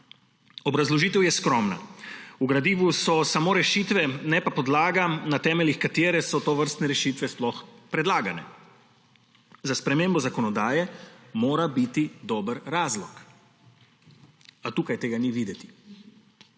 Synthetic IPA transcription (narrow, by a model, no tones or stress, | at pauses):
ɔbɾazlɔʒiːt̪ɛwjɛskɾɔmna̰uɡɾad̪iːʋusɔsamoːɾɛʃit̪ʋɛnɛpapɔd̪laːɡanat̪ɛːmɛlixkat̪eːɾɛsɔt̪oʋəɾst̪nɛɾɛʃiːt̪ʋɛsplɔxpɾɛd̪laːɡanɛ̰ | zaspɾɛmembɔzakɔnɔd̪aːjɛmoːɾabit̪id̪oːbəɾːaːzlɔk | at̪uːkajt̪eːɡaniʋiːd̪ɛt̪i̥